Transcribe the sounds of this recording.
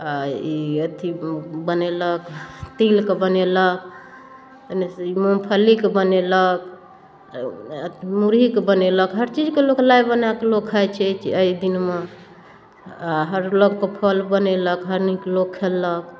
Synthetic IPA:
aiət̪ʰibəneləkt̪ilkebənelək̚ | nmompʰəlikbənelək̚ | t̪muɾikebəneləkɦəɾt͡ʃid͡ʒkeloklajbənakelokʰajt͡ʃʰɛt͡ʃʰəid̪inme | aɦəɾlokkepʰəlbəneləkɦəɾniklokʰːelək

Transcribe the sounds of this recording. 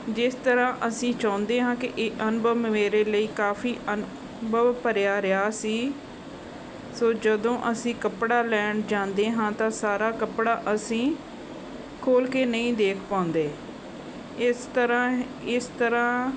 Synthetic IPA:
d͡ʒɪst̪əɾãːʔəsĩːt͡ʃãːʊnd̪eːɦãːkɪʔeːʔənbəmmeːɾeːləiːkaːfʰiːʔən | bəʋpəɾjaːɾɪjaːsiː | soːd͡ʒəd̪õːʔəsĩːkəpɽaːlɛːɳd͡ʒãːnd̪eːɦãːt̪ãːsaːɾaːkəpɽaːʔəsĩː | kʰoːlkeːnəĩːd̪eːkʰpãːʊ̃nd̪eː | ɪst̪əɾãː | ɪst̪əɾãː

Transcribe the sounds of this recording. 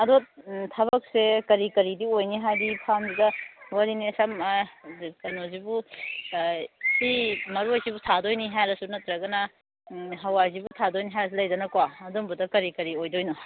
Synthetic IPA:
ɐdotʰɐbɐk̚sekɐɾikɐɾidiojniɦajdipʰamzidɐwɐɾinisam | kɐnozibu | simɐɾuajzibutʰadojniɦajɾɐsunɐt̪ɾɐɡɐnɐ | ɦɐwazibutʰadojniɦajɾɐs̬elɐjdɐnɐkwaɐdombudɐkɐɾikɐɾiojdojnɔ

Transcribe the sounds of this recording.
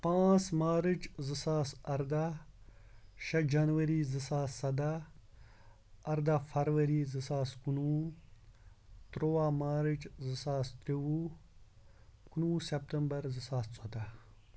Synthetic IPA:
pãːt͡smaːɾɨt͡ʃzisaːsɐɾd̪a | ʃɐd͡ʒɐnʋɐɾizisaːsɐd̪a | ɐɾd̪afɐɾʋɐɾizɨsaːskunu | t̪ɾoːwamaːɾit͡ʃzisaːst̪ɾiwu | kunuːsep̚t̪ɐmbɐɾzisaːst͡sod̪a

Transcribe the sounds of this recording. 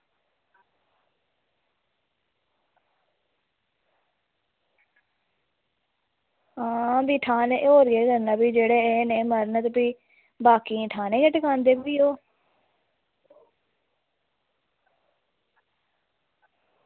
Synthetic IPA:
ɦãːbiːʈʰaːneːʔoːɾieːɡəɾnãːbiːd͡ʒeːɽeːeːneːməɾnət̪piː | baːkĩːʈʰaːnẽːɡəʈkãːnd̪eːbbiːoː

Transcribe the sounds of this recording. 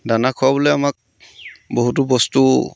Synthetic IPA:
danakʰʊwabɔlɛamak̚ | boɦut̬ubɔstu

